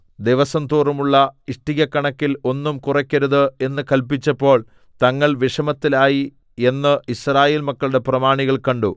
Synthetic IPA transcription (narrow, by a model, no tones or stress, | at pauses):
d̪iʋɐsɐnt̪uːrumuɭːɐiʂʈiɣɐkːɐɳɐkːilo̞nːumkurɐkʲːɐɾuðɨe̞nːɨkɐlpit͡ɕːɐpːo̞ːɭ | t̪ɐŋːɐɭʋiʂɐmɐt̪ːilaːji | e̞nːɨisraːjeːlmɐkːɐɭuɽe̞prɐmaːɳiɣɐɭkɐɳɖu